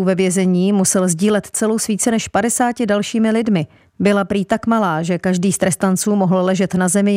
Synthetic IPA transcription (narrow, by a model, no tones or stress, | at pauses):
uvɛvjɛzɛɲiːmusɛlzɟiːlɛt̪t͡sɛlowsviːt͡sɛnɛʃpadɛsaːcɪdalʃiːmɪlɪdmɪ | bɪlapɾiːt̪akmalaːʒɛkaʒdiːst̪ɾɛst̪ant͡suːmoɦl̩lɛʒɛt̪nazɛmɪ